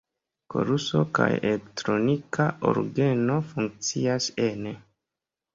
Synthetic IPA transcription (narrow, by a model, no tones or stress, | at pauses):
ko̞̰ɾuso̞̰ka̰jelektɾo̞nikaʔoɾɡe̞no̞fuŋk̚t͡siasen